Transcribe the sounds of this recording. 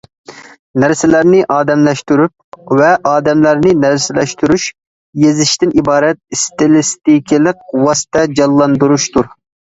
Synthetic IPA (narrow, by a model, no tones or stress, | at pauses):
næɾsɪlæɾnɪʔɑːd̪ɛmlɛʃt̪yɾyp̚vɛʔɑːd̪ɛmlæɾnɪnæɾsɪlɛʃt̪yɾuʃ | jezɪʃt̪ɪnibɑːɾɛt̪̚st̪ɪlˠɪst̪ikʲʰilˠɪq̚wɑsɨ̥t̪ʰɛd͡ʒɑlˠːɑnd̪uɾuʃt̪uɾ